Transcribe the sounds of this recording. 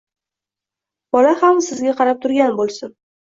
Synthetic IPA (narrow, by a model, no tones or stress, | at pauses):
b̥ɒlahamsɪzɡʲaqʰɑɾap̚t̪ʰʊɾɡʲanbolˠsɪn